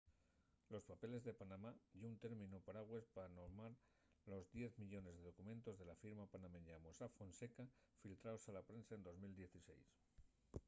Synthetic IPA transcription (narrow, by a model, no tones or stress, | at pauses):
lo̞spape̞le̞zðe̞panãmaʝeunt̪e̞ɾmĩnupaɾaɣwe̞spaano̞ɾmaɾ | lo̞zðje̞θmiʎo̞ne̞zðe̞ð̞o̞kumẽ̞nt̪o̞zðe̞lafiɾmapanameɲamosafo̞nse̞ka | filt̪ɾaosalapɾe̞nsae̞nd̪o̞zmild̪je̞θise̞̰js